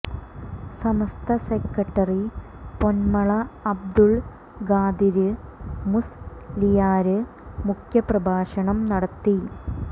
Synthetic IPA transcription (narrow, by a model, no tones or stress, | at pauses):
sɐmɐst̪ʰɐsekːɐʈːɐri | po̞nmɐɭɐɐb̚d̪uɭ | ɡaːd̪iɾɨmuslijaːɾɨ | mukʰjɐprɐbʱaːɕɐɳɐmnɐɽɐt̪ːi